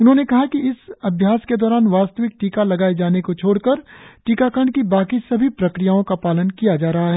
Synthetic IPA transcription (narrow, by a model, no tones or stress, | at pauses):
ʊnɦõːnekɐɦakiɪsɐbʱjaːsked̪ɔːɾaːnʋaːst̪əʋɪk̚ʈiːkalɐɡaːed͡ʒaːnekot͡ʃʰoːɽkɐɾʈiːkakəɳɖkibaːkisɐbʱipɾɐkɾijaːõkapaːlənkijad͡ʒaːɾɐɦaɦɛː